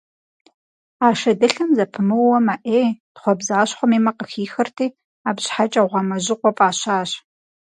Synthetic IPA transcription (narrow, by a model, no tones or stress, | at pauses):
aːʃɐdɨɬɨmzɐpʰɨmɨwwɔmaʔeːtχʷɔbzaːɕχʷɔmiːmɐqəxiːxɐrtʰiː | aːbɕħat͡ʃʼɐʁʷɑmɐʑɪqʷɔpʼaːɕaːɕ